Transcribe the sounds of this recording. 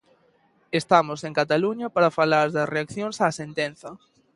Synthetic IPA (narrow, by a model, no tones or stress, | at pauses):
est̪amosẽŋkat̪aluɲɐpaɾafalaɾðɐsreakθjõŋsaːsent̪en̟θɐ